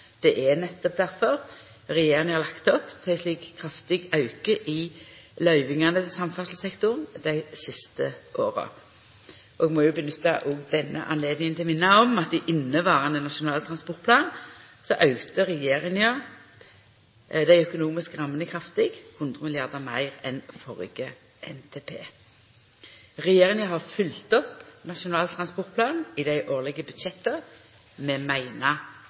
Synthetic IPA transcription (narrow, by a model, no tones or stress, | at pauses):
d̪̥ɛʔɛnɛt̪ːɔp̚d̪æɾfɔʁ | ʁɛjeːʁɪŋəʁlɑkt̪ɔpt̪ʰæɪsliːkkʰːʁɑft̪ɪɡɑʉkəʔɪlœʏʋɪŋɑnəsɑmfɑʁsl̩sɛkt̪ʊʁnd̪̥æɪsɪst̪əʔoːʁə̰ | ʔɔɛɡmɔjʊbənʉt̪ːɑ̰ʔoɡd̪ɛnːə̰ʔɑ̰nleːd̪nɪŋənt̪ʰɪlmɪnːɑɔmɑt̪̚d̪ɪʔɪnːəʋɑːʁɑnənɑʃʊnɑːlət̪ʰɾɑnspɔʁt̪pʰlɑːn | sɔʔɑʉt̪əɾɛjeːʁɪŋə | d̪æɪœkʊnuːmɪskʁɑmːənəkʰɾɑft̪ɪɡhʉnd̪ʁəmɪlɪɑʁd̪əmæɪʁɛnfɔʁɡə | ʔɛ̰nt̪ʰeːpʰḛː | ʁɛjeːʁɪŋəɦɑʁfʏlt̪ɔpnɑʃʊnɑːlt̪ʰɾɑnspɔʁt̪̚pʰlɑːnn̩ɪd̪æɪʔoːʁlɛɡəbʉd̪ʃɛt̪ːə | mɛːmæɪnɑ